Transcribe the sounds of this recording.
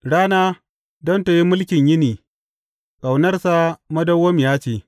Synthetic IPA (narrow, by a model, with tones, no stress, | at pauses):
ɽaː˦naː˦ | dɔ˦ntɐ˨ji˦mʊ˦lkʲɪ˨ɲjɪ˦niː˨ | kʼa˨wnɐ˦rsa˦mɐ˦dɐ˦wːɐ˦m˨jaː˦t͡ʃeː˨